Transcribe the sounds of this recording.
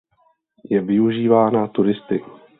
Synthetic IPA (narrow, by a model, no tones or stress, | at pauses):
jɛvɪuʒiːvaːnat̪uɾɪst̪ɪk